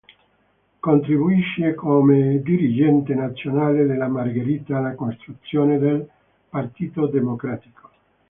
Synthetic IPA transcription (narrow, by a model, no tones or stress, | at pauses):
kont̪ɾibuiʃːekʰomed̪iɾid͡ʒɛnt̪enat̪sːjonaːled̪elamarɡeɾiːt̪aːlakonst̪ɾut̪sjoːned̪el | part̪iːt̪od̪emokɾat̪i̥ko̥